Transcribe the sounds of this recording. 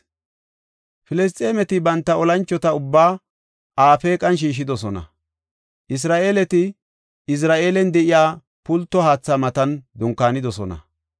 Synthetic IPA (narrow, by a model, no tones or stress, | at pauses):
fɪlɛs̬t̪ʼːeːmɛt̪ɪbɐnt̪ːɐɔlɐnt͡ʃːɔt̪ɐʊbːaː | aːfeːkʼɐnʃ̬iːʃ̬ɪd̪ɔsɔnɐ̰ | ʔɪs̬ɾaːʔe̞ːlɛt̪ɪ | ɪs̬ɾaːʔe̞ːlɛnd̪ɛʔɪjaː | pʊlt̪ːɔhaːt͡sːamɐt̪ɐnd̪ʊŋkːaːnɪd̪ɔsɔnɐ̰